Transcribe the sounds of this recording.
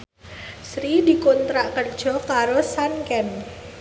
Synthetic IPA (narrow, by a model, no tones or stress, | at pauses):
sɾidi̤kont̪ɾaʔkər̥d͡ʒ̥ɔ̤kaɾosankɛn